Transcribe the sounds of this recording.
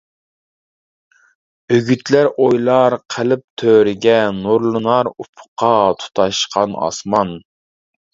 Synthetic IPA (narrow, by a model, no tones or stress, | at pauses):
øɡʲyt̪læɾʔojlˠɑɾqʰəlɪp̚t̪ʰøɾɪɡʲɛnuɾlˠɨnɑɾupʰʊ̥qʰɑt̪ʰu̥t̪ʰɑʃqʰɑnɑ̰smɑn